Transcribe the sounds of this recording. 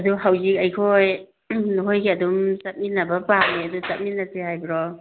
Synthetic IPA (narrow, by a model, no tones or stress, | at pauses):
ɐduɦawzik̚ɐjkʰoj | nuɦojkʰeɐdumsɐt̚minːɐbɐpaniɐdusɐt̚minːɐsehajbiɾɔ